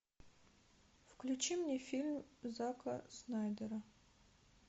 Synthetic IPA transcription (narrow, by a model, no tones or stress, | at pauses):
fklʲut͡ʃimnʲefʲilʲmzakʰɐ̰snajd̪əɾɐ